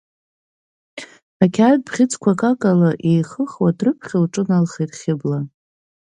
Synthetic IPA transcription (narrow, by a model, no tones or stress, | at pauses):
akʲʰad̚bʁʲɪt͡sʰʼkʷʰakʼakʼalaʔejχəχwadrɨpʰχʲɪlʈ͡ʂʼɨnalχetχʲɪbla